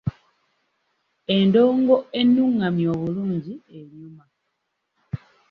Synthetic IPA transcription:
e̞ndo̞ːŋɡo̞e̞nːuŋːamjo̞ːβuluːɲɟieɲjuma

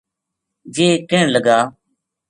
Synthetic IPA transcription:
d͡ʒeːkɪɳləɡaː

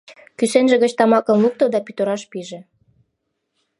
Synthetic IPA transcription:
kysenʒĕɣət͡ɕt̪ɑmɑkə̆mluk̚t̪od̪ɑpyt̪oɾɑʃpiʒĕ

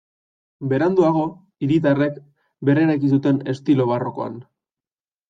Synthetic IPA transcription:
be̞ɾand̪uaɣ̞o̞ | iɾit̪̬arek | be̞ɾe̞ɾakis̬ut̪e̞ne̞st̪ilo̞βaro̞ko̞a̰n

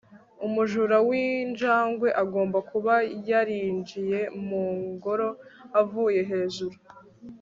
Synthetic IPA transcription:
umuʒuɾawind͡ʒaːŋɡwe̞ʔaɡo̞ːmbakuβajaɾiːɲd͡ʒije̞muːŋɡo̞ɾo̞avuːje̞ɦe̞ːzuɾu

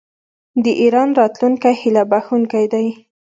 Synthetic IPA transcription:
d̪əʔiɾɑnɾɑt̪luŋkajhɪlabaxuŋkajd̪aj

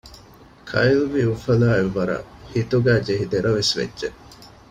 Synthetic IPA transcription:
kʰɐilʋiufɐlaːeʋːɐɾɐ̰hit̪uɡæːd͡ʒeɦid̪eɾɐʋesʋḛdːʒe

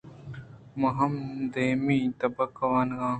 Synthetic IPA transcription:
mɐɦɐmd̪eːmĩt̪ɐbɐkɐwaːnɡãː

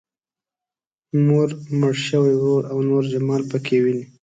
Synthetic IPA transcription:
noɾməɽʃəwawoɾawnoɾd͡ʒamɑlpəkʰewini

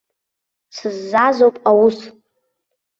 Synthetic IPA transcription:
sɨzːazowpʼawus

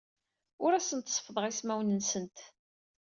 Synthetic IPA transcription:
ʊɾæsənt̪sˤfðˤəʁismæwnənsənt̪

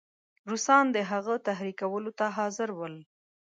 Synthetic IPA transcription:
ɾusɑnd̪əɦaɣət̪aɦɾikawəlot̪aɦɑzɪɾwəl

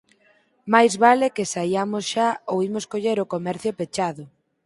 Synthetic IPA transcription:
majzβalekesajamʊsʃaowimoskoʎeɾʊkomɛɾθjʊpet͡ʃaðʊ

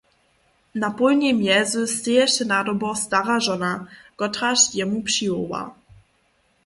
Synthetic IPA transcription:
napulɲʲɛmjɛzusːejɛʃɘnad̪ɔbɔst̪aʁaʐɔnaɡ̥ɔtʁaʃjɛmupʂiɔwa̰

